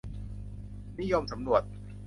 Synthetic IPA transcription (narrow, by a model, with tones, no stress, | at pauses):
ni˦˥˨jo˧msa˩˦mɾu˨˩ət̪̚